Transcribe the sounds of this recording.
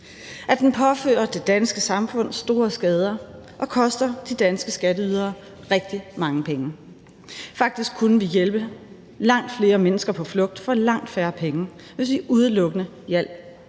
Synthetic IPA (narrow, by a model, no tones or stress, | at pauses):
ʔæd̥enpʰɒ̽fø̰ːɐd̥e̝d̥ænsɡ̥əsɑ̈mfɔ̽n̰sd̥o̝ːɐsɡ̥ɛːð̞ˠɐ | ʔɒ̽kʰɒ̽sd̥ɐd̥id̥ænsɡ̥əsɡ̥æɾəyð̞ˠɐː | ʁɛɡ̥̚d̥imɑ̈ŋəpʰeŋə | fɑ̈ɡ̥̚d̥isɡ̥̚kʰːunəʋijelb̥ə | lɑ̈ŋ̰d̥fle̝ːɐmenəsɡ̥ɐpʰɒ̽flɔ̽ɡ̥̚d̥fɒ̽lɑ̈ŋ̰d̥fæɐpʰeŋə | ʋe̝sʋiʔuð̞ˠəlɔ̽ɡ̥ənə | jæl̰